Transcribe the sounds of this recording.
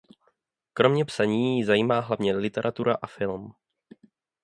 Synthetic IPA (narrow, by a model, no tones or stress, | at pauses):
kɾo̞mɲɛpsaɲiːjzajiːmaːɦlavɲɛlɪt̪ɛɾʔat̪uɾaʔafɪlm